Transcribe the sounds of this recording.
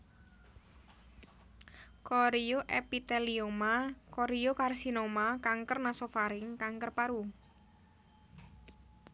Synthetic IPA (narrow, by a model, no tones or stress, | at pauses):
koɾijoʔɛpit̪ɛliomakoɾijokarsinomakaŋkərnasofaɾɪŋkaŋkərpaɾu